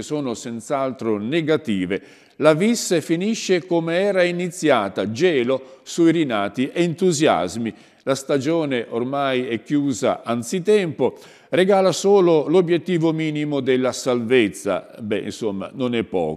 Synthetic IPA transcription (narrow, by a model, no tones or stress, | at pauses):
soːnosɛnt̪salt̪ɾoneɡat̪iːve | lavisːefiniʃːekomeɛːɾainit̪sːjaːt̪ad͡ʒɛːlosujɾinaːt̪iʔeːnt̪uzja̰zmi | last̪ad͡ʒoːneʔormajɛkːjuːza̰ʔant̪sit̪ɛmpo | reɡaːlasoːlolobjet̪ːiːvomiːnimod̪elːasalvet̪sːa̰bɛ̰ḭnsomːa̰nonɛpːɔ̰ː